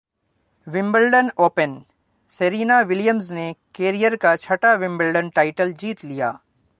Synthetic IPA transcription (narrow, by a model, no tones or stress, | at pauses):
ʋɪ̃mbəlɖənoːpən | seɾiːnaʋɪljəmznekeːɾijəɾkat͡ʃʰɐʈaʋɪ̃mbəlɖənʈaːɪʈəld͡ʒiːt̪lija̰ː